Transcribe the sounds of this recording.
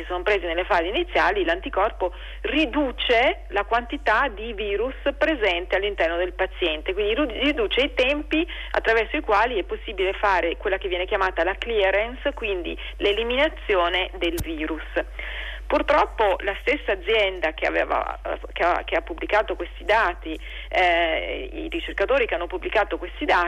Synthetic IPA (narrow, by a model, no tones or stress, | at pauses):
sisonopɾeːzinelːefaːzinit̪sːjaːlilant̪ikɔrpo | rid̪uːt͡ʃe | lakwant̪it̪ad̪iviːɾuspɾezɛnt̪ealːint̪ɛrnod̪elpat̪sjɛnt̪ekwind̪irid̪uːt͡ʃeit̪ɛmpi | a̰t̪ːɾavɛrsoikwaːliɛpːosːiːbilefaːɾekwelːakevːjɛːnekjamaːt̪alakliɛɾenskwind̪ḭ | leliminat̪sːjoːned̪elviːɾus | purt̪ɾɔpːolast̪esːaːd̪zːjɛnd̪ak̟ea̰vḛːva̰kea̰k̟eapːublikaːt̪okwest̪id̪aːt̪i | ḭɾit͡ʃerkat̪oːɾikeanːopubːlikaːt̪okwest̪id̪aː